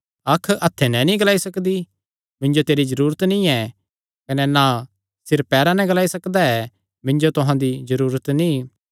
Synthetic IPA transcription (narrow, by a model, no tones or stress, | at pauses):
ɐkʰːʔɐt̪ʰːenɛ̃nĩɡɐlaːisɐkd̪i | mɪ̃nd͡ʒot̪eːɾizɐɾuːɾət̪nĩɛ | kɐnɛna | sɪɾpːɛːɾãnɛ̃ɡɐlaːisɐkd̪aɛ | mɪ̃nd͡ʒot̪ʊɦãd̪izɐɾuːɾət̪nĩ